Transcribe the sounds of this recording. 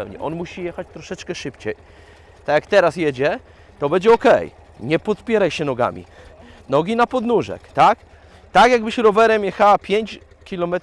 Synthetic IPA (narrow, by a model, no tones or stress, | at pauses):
ɛwɲɛ̰ʔɔnmuɕijɛxat͡ɕt̪ɾɔʂɛt͡ʂkɛʂɘpt͡ɕɛj | t̪ajakt̪ɛɾasjɛd͡ʑɛ | t̪ɔbɛɲd͡ʑɛɔkɛ̰j | ɲɛpɔpʲjɛɾajɕɛnɔɡa̰mʲḭ | nɔɡʲinapɔd̪nuʐɛ̰kt̪ak | t̪akjaɡbɘɕɾɔvɛɾɛmʲjɛxawapʲjeɲt͡ɕ | kʲilɔmɛt̪